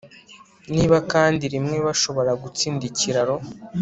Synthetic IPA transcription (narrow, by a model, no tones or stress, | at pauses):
niːβakaːndiɾimŋe̞βaʃo̞βo̞ɾaɡut͡siːndiciɾaɾo̞